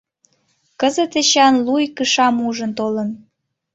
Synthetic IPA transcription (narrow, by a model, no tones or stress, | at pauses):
kəzət̪eɕɑnlujkəʃɑmuʒənt̪olən